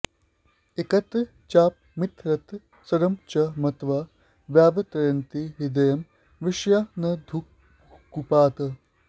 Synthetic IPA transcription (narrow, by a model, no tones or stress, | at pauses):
ekɐt̪ | t͡ʃaːp̚mɪt̪ɾɐt̪ | sɐɾɐmt͡ʃɐmɐt̪ʋaː | ʋjaːʋɐt̪ɐjɐnt̪iɦid̪ɐjɐm | ʋɪʃjaːnɐd̪ʱuk̚ | kːupaːt̪ɐ